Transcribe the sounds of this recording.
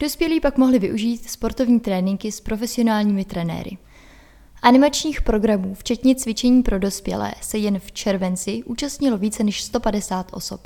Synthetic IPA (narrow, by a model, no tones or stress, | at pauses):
d̥ospjɛliːpakmoɦlɪvɪʔuʒiːt̪spo̞ɾt̪o̞vɲiːt̪ɾɛːnɪŋkɪspɾo̞fɛsɪo̞naːlɲiːmɪt̪ɾɛnɛ̰ːɾɪ̰ | ʔanɪmat͡ʃɲiːxpɾo̞ɡɾamuːft͡ʃɛt̪ɲɛt͡svɪt͡ʃɛɲiːpɾo̞do̞spjɛ̰lɛ̰ːsɛjɛnft͡ʃɛɾvɛnt͡sɪʔuːt͡ʃast̪ɲɪlo̞viːt͡sɛnɛʃst̪o̞padɛsaːt̪ʔo̞̰so̞p